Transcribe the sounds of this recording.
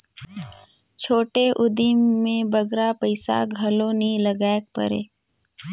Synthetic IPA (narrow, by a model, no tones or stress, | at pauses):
t͡ʃʰoːʈeʔʊd̪imːẽbɐɡɾapəɪsa̰ɡʱɐlõnĩləɡaːek̚pə̰ɾḛː